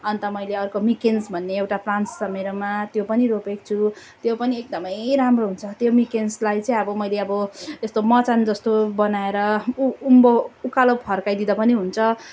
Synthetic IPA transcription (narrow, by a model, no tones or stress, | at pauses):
ʌnt̪ʌmʌjleʌrkomikensbʱʌnːeːwʈaplansːʌmeɾʌmat̪jopʌniɾopek̚t͡sʰu | t̪jopʌniek̚d̪ʌmʌjɾamroɦunt͡sʰʌt̪jomikenslajt͡sʌĩʌbʌmʌjleʌbʌest̪omʌt͡sand͡zʌst̪obʌnaeɾʌumboukalopʰʌrkajd̪id̪ʌpʌniɦunt͡sʰʌ